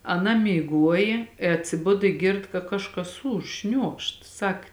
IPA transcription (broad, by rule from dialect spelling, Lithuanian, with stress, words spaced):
ɐˈnɐ mʲiːˈɡuɔjeː ɪ ɐtʲsʲɪˈbʊt ɪ ˈɡʲɪrt kɐ ˈkɑːʃˌkɐs ˈuːʃ ˈʃʲnʲuɔkʃt ˈsɐk